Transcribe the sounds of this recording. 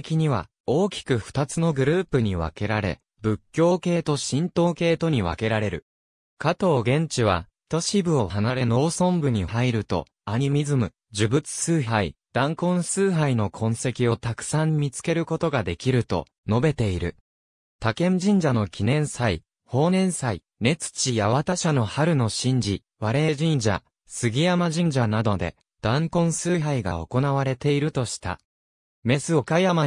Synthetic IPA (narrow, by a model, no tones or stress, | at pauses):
kʲiɲ̟iβ̞a̰ | o̞ːkʲi̥kɯ̟ɸɯ̟̥t̪at͡sɨno̞ɡɯ̟ɾɯ̟ːpɯ̟ɲ̟iβa̰ke̞ɾaɾe̞̰ | bɯ̟kʲːo̞ːke̞ːt̪o̞ɕĩnt̪o̞ːke̞ːt̪o̞ɲ̟iβ̞a̰ke̞ɾaɾe̞ɾɯ̟ | kat̪o̞ːɡẽ̞ɲ̟t͡ɕiβ̞a̰ | t̪o̞ɕibɯ̟o̞hanaɾe̞no̞ːsõ̞mbɯ̟ɲ̟ihaiɾɯ̟t̪o̞̰ | aɲ̟imʲizɨmɯ̟ | d͡ʑɨbɯ̟t͡sɨ̥sɨːɦaid̪̥ãŋkõ̞ɰ̃sɨːɦaino̞kʰõ̞ɰ̃se̞kʲio̞t̪akɯ̟̥sãɲ̟imʲit͡sɨ̥ke̞ɾɯ̟ko̞t̪o̞ɡad̪e̞kʲiɾɯ̟t̪o̞̰ | no̞be̞t̪e̞iɾɯ̟ | t̪akẽ̞nd͡ʑĩɲ̟d͡ʑano̞kʲʰinẽ̞ɰ̃sai | ho̞ːnẽ̞ɰ̃sai | ne̞t͡sɨ̥t͡ɕijaβat̪aɕano̞haɾɯ̟no̞ɕĩɲ̟d͡ʑi | βaɾe̞ʑĩɲ̟d͡ʑa̰ | sɨɡʲijamaʑĩɲ̟d͡ʑanad̪o̞d̪e̞̰ | d̪̥ãŋkõ̞ɰ̃sɨːɦaiɡa̰o̞̰ko̞naβaɾe̞t̪e̞iɾɯ̟t̪o̞ɕi̥t̪a̰ | me̞sɨo̞kajama